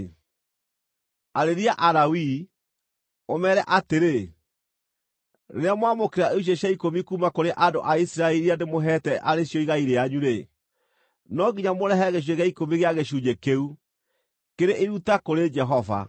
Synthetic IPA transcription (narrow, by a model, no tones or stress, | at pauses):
aɾeɾiaʔaɾawi | omɛɾɛʔateɾe | eɾeamwamokeɾaʔeuɕ̬eɕaikomikuːmakoɾeʔadoʔaisiɾaɛɾiandemoɦɛtɛʔaɾeɕjɔiɣaiɾeaɲuɾe | nɔɡiɲamoɾɛɦɛɣeɕ̬weɣeaikomiɣeaɣeɕuɲekeu | keɾeʔeɾutakoɾed͡ʒɛɦɔva̰